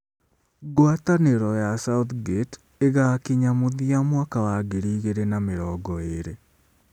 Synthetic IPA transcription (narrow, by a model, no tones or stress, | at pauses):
ɡwataneɾɔjasauθɡet | eɣakiɲamoðiamwakawaɡeɾiɣeɾenameɾɔːɡɔeɾe